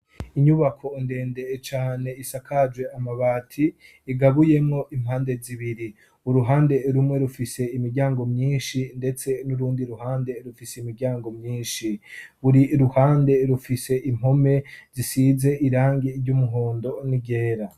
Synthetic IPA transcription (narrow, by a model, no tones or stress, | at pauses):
iɲuβakʰo̞inde̞ːnde̞t͡ʃaːne̞isakʰad͡ʒwe̞amaβaːtʰiː | ɡaβuje̞mŋo̞ʔim̥haːnde̞ziβiɾi | uɾuɦaːnde̞ɾumŋe̞ɾufise̞imiɾɟaːŋɡo̞mɲiːnʃinde̞t͡se̞nuɾuːndiɾuɦaːnde̞ɾufiseimiɾɟaːŋɡo̞mɲiːnʃiβuɾiɾuhaːnde̞ɾufise̞ʔim̥ho̞me̞zisize̞ʔiɾaːŋɡiɾɟumuɦoːndo̞niɟe̞ːɾa